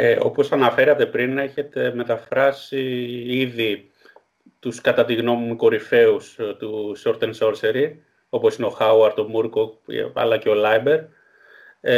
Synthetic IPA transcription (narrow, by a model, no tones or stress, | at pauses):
eo̞po̞sɐnɐfe̞ɾɐt̪e̞pɾine̞çe̞t̪e̞me̞t̪ɐfɾɐsiiði | t̪uskɐt̪ɐt̪iɣno̞mumiko̞ɾife̞ust̪uso̞ɾt̪enso̞ɾse̞ɾi | o̞po̞sineo̞xɐuɐɾt̪omuɾko̰ɐ̰lɐceo̞lɐjbe̞ɾ